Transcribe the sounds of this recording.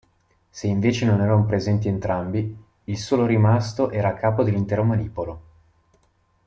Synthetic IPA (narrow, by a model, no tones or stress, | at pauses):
seiɱveːt͡ʃenonɛːɾanopɾezɛnt̪̬ient̪ɾambi | ilsoːloɾimast̪oʔɛːɾaːkːaːpod̪elːint̪ɛːɾomaniːpolo